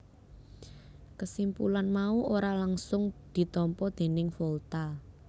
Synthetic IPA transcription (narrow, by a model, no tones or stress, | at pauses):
kəsimpulanmauʔoɾalaŋsʊŋd̪̥i̤t̪ɔmpɔd̪̥e̤nɪŋfɔlt̪a